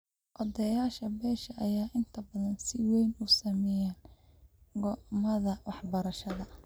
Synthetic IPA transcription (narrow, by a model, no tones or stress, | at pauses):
ʔɔðɐjaːʃɐbɛːʃɐʔɐjaːʔɪnt̪ʰɐbɐðɐnsɪwɛjnuːsɐmɛjaːn | ɡɔmɐðɐwɑħbɐɾɐʃɐðɐ